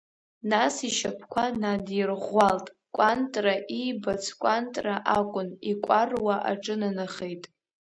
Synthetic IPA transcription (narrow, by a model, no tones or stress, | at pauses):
nasiʃapʰkʷʰanadirʁʷːaltʼ | kʷʼantʼraʔijbat͡sʰkʷʼantʼraʔakʷʼʊnikʷʼarwaʔa̰ʈ͡ʂʼɨnanaχejtʼ